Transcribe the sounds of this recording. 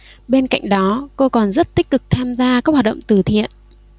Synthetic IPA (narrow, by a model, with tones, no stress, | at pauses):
ɓe˧nka̰˧˨jŋ̟ɗɔ˨˦ko˧kɔ˨˩nzə˦˥t̚t̪ï˦˥k̟̚kɨ˨˩k̚t̪ʰaː˧mzaː˧kaː˦˥k̚wa˨˩ɗə̰˧˨wŋ͡mt̪ɨ˧˩t̪ʰḭ˧˨ən